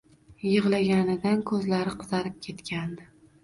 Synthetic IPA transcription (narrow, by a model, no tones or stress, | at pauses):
jɨʁlaɡʲanɪd̪ankʰɵzlaɾɪqʰʊ̥zaɾɪp̚kʲʰe̞t̪kʲʰand̪ɪ